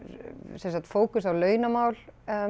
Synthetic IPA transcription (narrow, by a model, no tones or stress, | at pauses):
sɛnsat̪foːwkʏsawlœːɥnamaːwl